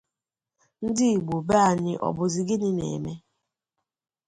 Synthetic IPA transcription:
n̩˦dɪ˦i˨ɡ͡bu˨ba˦a˨ɲɪ˦ʔɔ̰˨bʊ˨zɪ˨ɡɪ˦nɪ˦nḛ˨me˦

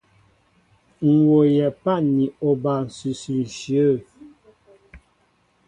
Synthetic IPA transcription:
ŋ̩˨wo˨jɛ˨pa˦ni˨ɔ˨ba˨n̩˨sʉ˨sʉ˨n̩˨ʃjə˦˨

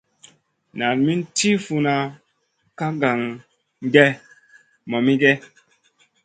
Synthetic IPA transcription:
na˨nmi˦n˦ti˦fu˧na˨ | ka˦ɡa˨ŋ | ŋ˦ɡɛ˦ | mɔ˨mi˦ɡɛ˦

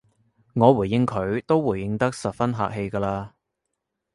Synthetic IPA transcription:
ŋɔː˨˧wuː˨˩jɪ˧ŋkʰɵ˨˧˥ɥt̪o˥wwuː˨˩jɪ˧ŋt̪ɐ˥k̚sɐ˨p̚fɐ˥nɦa̰ː˨k̚ɦe˧jkaː˧laː˧

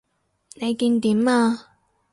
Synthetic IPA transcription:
ne˨˧jkiː˧nt̪iː˨˥maː˧

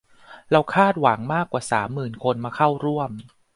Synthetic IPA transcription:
ɾa˧wkʰaː˥˩t̪̚wa˩˦ŋmaː˥˩kːwaː˨˩saː˩˦mːɯː˨˩nkʰo˧nmaː˧kʰa˥˩wɾu˥˩əm

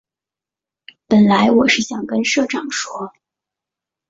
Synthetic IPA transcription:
pə˨˩nla˧˥ɪwɔ˨˩ʂɻ̩˥˩ɕjɑ˨˩ŋkə˥nʂɤ˥˩ʈ͡ʂɑ˨˩ŋʂwɔ˥

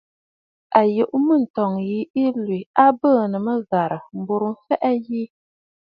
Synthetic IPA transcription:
a˨jɛ˨ʔʊ˦mɨ˦˨n̩˨tɔ˨ŋji˦i˦li˨a˦bə˦˨nɨ˨mɨ˦za˨ɾɨ˨m̩˨bu˨ɾɨ˨˦fɛ˦ʔɛ˦jiː˦

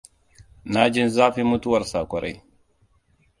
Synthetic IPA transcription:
na˦d͡ʒi˦nzaː˦fi˦mu˦tu˦wa˦ɾsa˨kʷɔ˨ɾʔa̰˨j

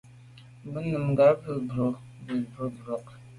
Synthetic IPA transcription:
bə˦nɨ˨mɡa˨˦ɾbə˨bɾo˨ | bə˨bə˨bɾo˨k

